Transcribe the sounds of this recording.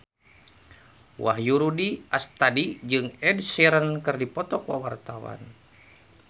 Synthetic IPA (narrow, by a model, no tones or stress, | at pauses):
wa̰hjuɾudiast̪adid͡ʒɨŋɛdsiɾənkɨrdipɔt̪ɔkwawart̪awa̰n